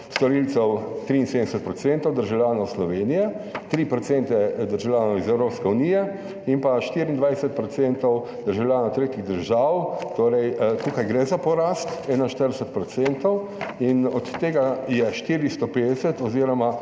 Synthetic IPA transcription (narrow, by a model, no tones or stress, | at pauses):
st̪ɔɾilt̪sɛwt̪ɾiːnsed̪md̪ɛsɛt̪̚pɾɔtt͡s̪seːnt̪ɔwd̪əɾʒawlʲjaːnɔwslɔʋeːnijɛ | t̪ɾipɾɔt̪sɛnt̪ɛd̪əɾʒawlʲjaːnɔwizɛwɾoːpskɛuniːjɛ | inpaʃt̪iːɾiːnd̪ʋajsɛt̪̚pɾɔt̪seːnt̪ɔw | d̪̥əɾʒawlʲjaːnɔwt̪ɾeːt̪iɣd̪əɾʒawt̪oːɾɛjk̪okajɡɾɛzapɔɾaːst̪ɛːnanʃt̪əɾd̪ɛsɛt̪̚pɾɔt̪sɛnt̪ɔw | inɔt̪ːeːɡajɛʃt̪iːɾist̪ɔpeːd̪ɛsɛt̪ɔziːɾɔma